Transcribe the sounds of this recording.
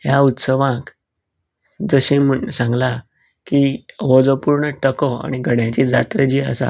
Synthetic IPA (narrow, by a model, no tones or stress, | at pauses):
jaut̪səʋãk | d͡zəɕĩməsãŋɡla | kiəʋəd͡zəpuɾɳəʈəkɔa̰ɽ̃iɡʱəɽjãt͡ɕid͡zat̪ɾəd͡ʑiə̰sa̰